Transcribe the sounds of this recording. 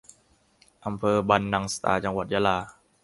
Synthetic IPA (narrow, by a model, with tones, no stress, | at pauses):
ʔa˧mpʰɤː˧ba˧nːa˧ŋsḁ˧t̪a̰ː˧t͡ɕa˧ŋwa˨˩t̪̚ja˧˥laː˧